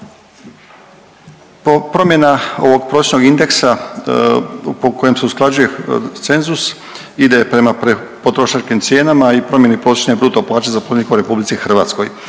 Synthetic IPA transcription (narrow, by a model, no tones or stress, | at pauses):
pɾo̞mje̞nao̞ʋo̞ɡpɾoʃno̞ɡind̪e̞ksa | poko̞je̞mseusklˠad͡ʒuje̞t̪se̞nzus | id̪epɾe̞maɾepo̞t̪ɾo̞ʃat͡ʃkimt̪sje̞ːnamaipɾo̞mje̞nipɾo̞t͡ʃnebɾuːt̪oplˠaːt͡ʃezapolenikuɾe̞publit̪ixr̩ʋa̰t̪sko̞̰j